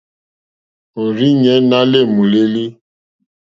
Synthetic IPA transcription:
o˨ɾi˦ɲɛ̃˨˦na˦le˦˨mũ˨le˦li˦

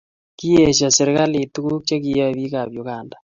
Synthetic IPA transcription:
ki˦e˨ʃ̬a˨se˨ɾe˦ɣa˦le˨tu˦ɣu˦kja˦ki˦a˦βi˦ɣa˨βjo˨ɣaː˨nda˨

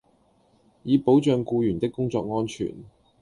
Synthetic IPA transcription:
jiː˨˧po˨˥wt͡ʃœː˨˧ŋkuː˧jyː˨˩nt̪ɪ˥kːʊ˥ŋt͡sɔː˧k̚ŋɔː˥nt͡ʃʰy̰ː˨˩n

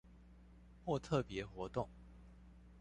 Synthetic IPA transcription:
xwɔ˥˧t̪ʰɤ˥˨˩pjɛ˧˥xwɔ˧˥t̪ʊ˥˩ŋ

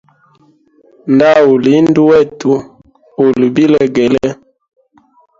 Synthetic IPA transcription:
nda˦o˨li˨˦ndu˦wɛ˦˨tu˨ | o˨li˨bi˦lɛ˦ɡɛ˨lɛ˦

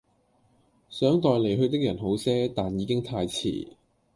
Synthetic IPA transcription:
sœː˨˥ŋt̪ɔː˨˧jle˨˩jɦɵ˧ɥt̪ɪ˥k̚jɐ˨˩nɦo˨˥wsɛː˥t̪aː˨njiː˨˧˥kɪ˥ŋt̪ʰaː˧jt͡sʰḭː˨˩

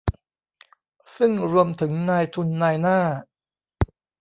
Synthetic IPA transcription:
sɯ˥˩ŋɾu˧əmt̪ʰɯ˩˦ŋnaː˧jt̪ʰu˧nːaː˧jnaː˥˩

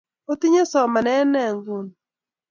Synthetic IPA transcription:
o˦t̪i˦ɲe˦sɔ˨ma˨nɛ˦nɛ˨ŋɡu˨n

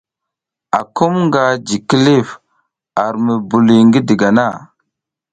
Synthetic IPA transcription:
a˨ko˦mŋɡa˨d͡ʒi˨ki˦li˦˨f | a˨ɾmə˨bu˨li˨ŋɡi˦di˨ɡa˨na˦˨

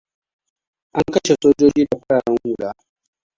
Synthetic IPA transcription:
ʔa˦ŋkɐ˦ʃe˨soː˦d͡ʒoː˦d͡ʒiː˦da˨ɸɐ˦ɽaː˨ɽɐ˦ŋhu˦˨laː˦

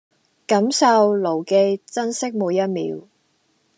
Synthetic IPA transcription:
kɐ˨˥msɐ˧wlo˨˩wke˧jt͡sɐ˥nsɪ˥k̚muː˨˧jɐ˥t̚mḭː˨˥w

